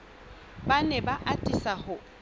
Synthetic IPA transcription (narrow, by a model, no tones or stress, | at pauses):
banɛbaʔatʼisahʊ